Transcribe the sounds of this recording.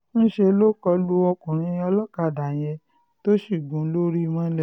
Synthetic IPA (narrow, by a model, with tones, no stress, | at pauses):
ñ̩˦ʃe˧lo˦kɔ˧lu˦ɔ˧kũ˨ɾ̃ĩ˧˦˧ɔ˧lɔ˦ka˨da˨j̃ɛ˧ | to˦ʃi˦˨ɡũ˨˦lo˦ɾi˦˧mã˦lɛ˦˨